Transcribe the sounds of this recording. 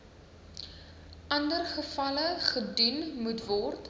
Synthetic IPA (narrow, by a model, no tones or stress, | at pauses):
ɐndərχəfɐləχədynmutvɔrt